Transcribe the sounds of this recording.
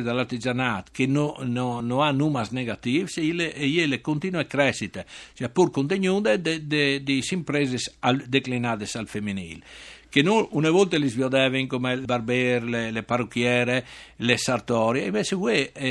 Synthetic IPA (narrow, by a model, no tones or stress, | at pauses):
d̪alaɾt̪id͡ʒanat̪kenononoanumasneɡat̪ifsileejelekont̪inwekɾɛʃit̪et͡ʃɛpːuɾkont̪eɲund̪ed̪ed̪ed̪isimpɾezesald̪eklinad̪esalfemːinḭlkenuunevɔlt̪elizvjɔd̪ɛveŋkomebaɾbeɾleleparukjɛːɾelesaɾt̪ɔɾjeimvet͡ʃekwe